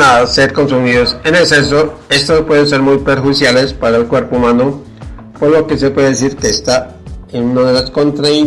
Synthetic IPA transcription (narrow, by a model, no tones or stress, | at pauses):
ase̞ɾko̞nsumiðose̞nekses̬oe̞st̪ospwe̞ðens̬e̞ɾmujpeɾxwuðisjale̞spaɾaelkwe̞ɾpoumano | poɾlo̞ke̞se̞pwe̞ðeesiɾkeːst̪a | enunaðelasko̞nt̪ɾai